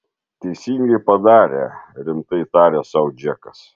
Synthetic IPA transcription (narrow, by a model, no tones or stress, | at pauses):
t̪ʲɛɪsʲiːŋʲɡʲɛɪpɐd̪ɑːɾʲḛɾʲɪmt̪ɐɪt̪ɑːɾʲeːsɐʊd͡ʒʲɛkɐs